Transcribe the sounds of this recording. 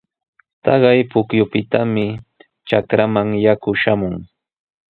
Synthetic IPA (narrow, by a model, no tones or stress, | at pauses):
t̪ɑɢɑjpʊkjʊpɪt̪amɪ | t͡ʃakɾamaŋjakʊʃamʊŋ